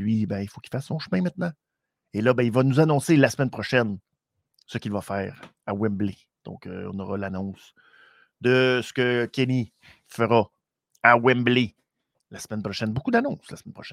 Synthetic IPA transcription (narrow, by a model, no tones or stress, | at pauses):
lɥibɛ̃ifokʲi̥fasːɔ̃ʃmɛ̃mɛ̃t̪̚nɑ̃ | elʌbɛ̃ilvanuzanɔ̃selasmɛnpχɔʃɛn | səkʲilvafɛːʁawɛmble | d̪̥ɔ̰̃kø̰ɔ̰̃nɔʁɑlanɔ̃s | d̪əsə̥kʲəkʲeni | fəʁɑ | awɛmble | lasmɛnpʁɔʃɛnbokud̪anɔ̃slasmɛnpʁɔʃɛn